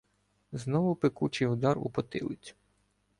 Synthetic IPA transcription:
znɔʋʊpekut͡ʃɪjʊd̪ɑrṵpɔt̪ɪ̰lˠɪt͡sʲ

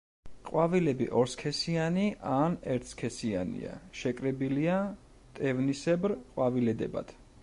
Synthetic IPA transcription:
qʼwavilɛbḭʔɔɾskʰɛsianiʔanɛɾt̪ʰskʰɛsia̰nḭa̰ʃɛkʼɾɛbilia | t̪ʼɛvnisɛbɾqʼwavilɛd̪ɛba̰d̪̥ʰ

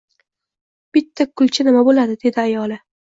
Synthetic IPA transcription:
b̥ɪt̪ʰːakʰːʊlˠt͡ʃʰɪnɪmabolad̪ɪd̪e̞d̪ɪajɒlɪ

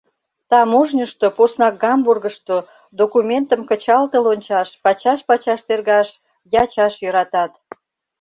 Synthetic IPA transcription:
t̪ɑmuʒnʲəʃt̪oposnɑk̚ɡɑmburɣəʃt̪o | d̪okumʲent̪əmkə̆t͡ɕɑlt̪əlonʲt͡ɕɑʃpɑt͡ɕɑʃpɑt͡ɕɑʃt̪erɣɑʃ | jɑt͡ɕɑʃjøɾɑt̪ɑt̪

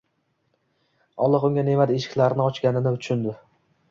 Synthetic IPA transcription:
ɒlˠːɨqʊŋɡʲanemad̪eʃɪ̥kʲlaɾɪnɪɒt͡ʃkʲanɪnɪʊt͡ʃʰʊnd̪ɪ

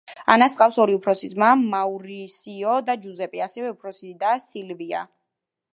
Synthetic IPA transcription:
a̰nasʼqʼafsɔɾiupʰɾɔsizmamauɾisiɔd̪ad͡ʒuzɛpʼiasɛvɛupʰɾɔsid̪asilvia̰

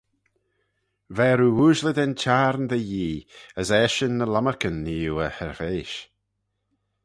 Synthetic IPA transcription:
vɛːɾuːuːʒlɪd̪ɛnt͡ʃʰaːɾnðəjiːəsɛːʃənːəlaməɹkənːiːuəhɛɹveːʃ

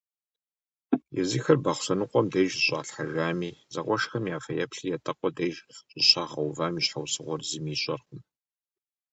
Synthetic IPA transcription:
jɛ̰ziːxɐrbaχʷɕɐnɨqʷɔmdɐjʒɕʼa̰ːɬħaʒʷaːmiːzɐʁʷɔʃxɐmjaːfɐjɛpɬijɛtʼɐqʷʼɔdɐjʒɕʼɪɕʰaːʁɐwvaːmiːɕħawsɨʁʷɔrzɨmiːɕʼɐrqʊm

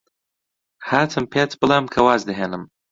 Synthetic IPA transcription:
haːtʰɨmpʰat͡sʰbɨlamkʰawazd̪ɨɦanɨm

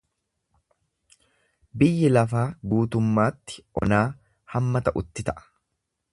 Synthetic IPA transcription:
bɪjːɪlɐfaːɡuːt̪ʊmːaːt̪ːɪ̥ʔɔ̰naː | hɐmːɐt̪ɐʔʊt̪ːɪt̪ɐʔɐ̥

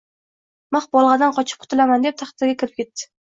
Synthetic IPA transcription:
maχbɒlˠʁɑd̪anqʰɒt͡ʃʰɪp̚qʰʊ̥t̪ʰɪlamand̪ep̚t̪ʰɑχt̪ɪɾɡʲakʲʰɪɾɪp̚kʲe̞t̪ːɪ̥

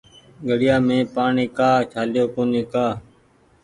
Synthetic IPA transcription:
ɡʱəɽɪjaːmẽːpaːɳeːkaːt͡ʃʰaːlɪjoːkoːneːkaː

